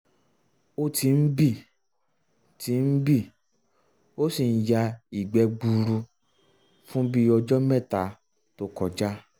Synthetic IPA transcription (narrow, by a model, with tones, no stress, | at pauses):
o˦ti˧n̩˦bi˦˨ | ti˧˦n̩˦bi˦˨ | o˦si˨n̩˨ja˧i˨ɡ͡bɛ˨˧ɡ͡bu˧ɾu˧ | fũ˦bi˦ɔ˧d͡ʒɔ˦mɛ̃˦˨ta˨˦ | to˦kɔ˨d͡ʒa˦